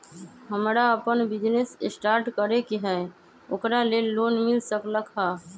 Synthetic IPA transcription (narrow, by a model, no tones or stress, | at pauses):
ɦəmɾaəpənbɪd͡ʒnesɪsʈaːɾʈkəɾekiɦɛ | okɾalelːoːnmɪlsəkləkʰa